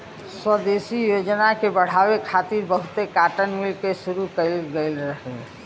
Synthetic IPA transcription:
swəd̪esijod͡ʒnakebəɽ̤abekʰat̪iɾbəɦut̪ekaʈənmilkesuɾukəlɡəɪlɾəɦɛ

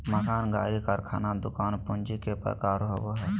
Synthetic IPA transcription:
məkaːnɡa̰ːɾiːkəɾkʰa̰ːnad̪ʊkaːnpʊnd͡ʒiːkepə̰ɾkaːɾɦoʋoːɦɛː

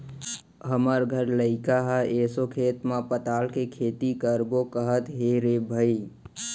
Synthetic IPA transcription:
ɦəməɾɡʱəɾləɪkaɦəesokʰeːt̪mãpət̪aːlkekʰeːt̪ikəɾbokəɦət̪ɦeɾebʱəi

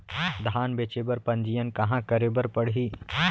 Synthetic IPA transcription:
d̪ʱaːnbet͡ʃebəɾpɐnd͡ʒijənkɐɦãkəɾebəɾpəɽɦiː

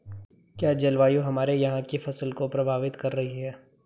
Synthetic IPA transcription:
kjaːd͡ʒɐlʋaːjõɦɐmaːɾejɐɦãkifɐsəlkopɾɐbʱaːʋɪt̪kɐɾːɐɦiɦɛː

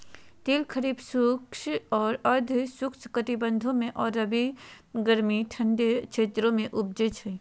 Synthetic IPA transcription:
t̪eːlkʰəɾiːbsukʃɔːɾəɾd̪ʱsʊkt͡ʃʰkət̪ibə̃nd̪ʱõmẽʔɔːɾɐbʱi | ɡəɾmiʈʰə̃nɖet͡ʃʰeːt̪ɾõmẽʔʊb̚d͡ʒet͡ʃʰə

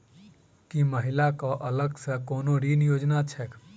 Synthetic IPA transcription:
kiməɦɪlakoʔələɡsəkoːnoɾinjoːd͡ʒnat͡ʃʰɛk

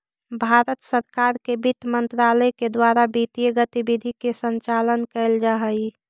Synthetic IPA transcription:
bʱaɾət̪səɾkaɾkebit̪mənt̪ɾaləjked̪waɾabit̪ijəɡət̪ibid̪ʱikesənt͡ʃalənkɛld͡ʒaɦəi

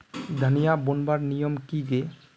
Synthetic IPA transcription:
d̪ʱanijabonbaɾnijɔmkiɡe

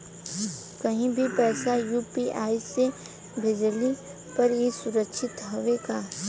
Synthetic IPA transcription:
kɐɦĩbʱipɛːsajuːpiʔaːise | bʱɪd͡ʒli | pɐɾjesʊɾəkʃʰɪt̪ɦɐʋeɡaː

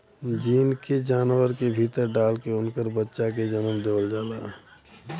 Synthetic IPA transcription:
d͡ʒiːnked͡ʒaːnwəɾkebʱiːt̪əɾɖaːlkeʊnkəɾbətːʃaked͡ʒənəmd̪oːld͡ʒaːlaː

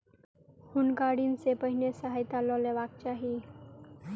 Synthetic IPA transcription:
hunkaɽiːnsepəɦinesəɦajt̪alɔleʋak̚t͡ɕaɦi

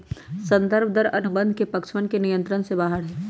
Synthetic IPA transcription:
sɐ̃nd̪əɾbd̪əɾɐnʊbə̃nd̪ʱkepɐkʃmənkenijə̃nt̪ɾənsebaːɦəɾɦɛː

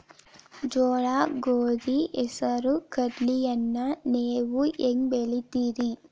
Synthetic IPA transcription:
d͡ʒɔːɭaːɡoːd̪iɛsɐɾukɐɖlijɐnːɐneːʋuʔeːŋbeɭit̪iːɾi

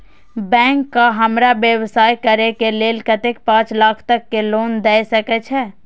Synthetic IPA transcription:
bɛ̃ːŋkːaɦɐmɾabjəwsaːjkəɾekeleːlkət̪ek̚pãːt͡ʃlaːkʰt̪əkːeloːnd̪ɛːsəkɛt͡ʃʰɛː

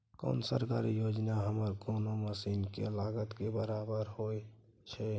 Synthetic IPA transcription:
kɔ̰ːnsə̰ɾkaɾijoːd͡ʒnaɦəməɾɡonoməsiːnkḛlaːɡət̪kebəɾabəɾhoe | t͡ʃʰɛ

